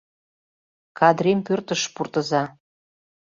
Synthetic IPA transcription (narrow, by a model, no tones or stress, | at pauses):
kʰɑd̪ɾempørt̪əʃpurt̪ə̆zɑ